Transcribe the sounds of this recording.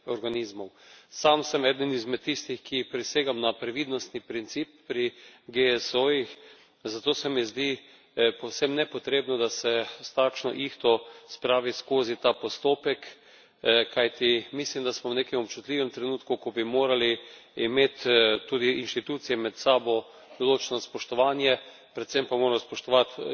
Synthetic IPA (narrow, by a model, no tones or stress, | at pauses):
ɔɾɡanizmɔw | samsɛmɛːd̪ənizmɛt̪ːist̪ixkipɾiseːɡamnapɾɛʋid̪nɔst̪nipɾint̪siːpːɾiɡeɛsojix | zat̪oːsɛmizd̪i | pɔwsɛmnɛpɔt̪ɾeːbnɔd̪asɛst̪akʃnɔ̰ʔixt̪ɔspɾaːʋiskoːzit̪aːpost̪oːpɛk | kʰajt̪imislimd̪asmɔwneːkɛmɔpt͡ʃut̪liːʋɛmt̪ɾɛnuːt̪kukɔbimoːɾaliimeːt̪ːuːd̪iinʃt̪it̪uːt̪sijɛmɛt̪saːbɔ | d̪ɔloːt͡ʃɛnɔspɔʃt̪ɔʋaːnjɛ | pɾɛt̪sɛmpamoːɾamɔspɔʃt̪ɔʋat̪